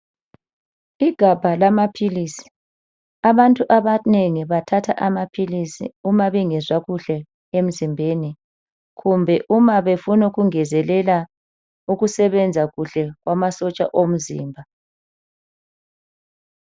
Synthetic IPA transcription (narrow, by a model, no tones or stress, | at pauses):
iɡ̥ʱab̥ʱalamapʰiliːsi̥ | aβantʼuʔaβaneŋiβatʰatʰa̰ʔamapʰilisḭumaβiŋɛzwaɣuɬɛ | em̩zimbʱeni | ɣumbʱɛʔumaβefunuɣuŋɛzɛlɛla | uɣusɛβɛnd͡zʱaɣuɬɛɣwamasɔt͡ʃʼa̰ʔom̩zḭːmbʱa